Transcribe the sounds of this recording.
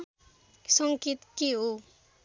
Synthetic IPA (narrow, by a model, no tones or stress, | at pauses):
sʌŋkit̪kiɦo